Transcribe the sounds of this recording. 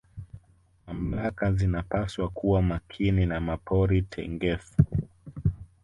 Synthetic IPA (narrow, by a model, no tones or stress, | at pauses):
mam̩lakazinapaswakuwamakʰininamapʰɔɾitʰɛ̰ŋɡɛfu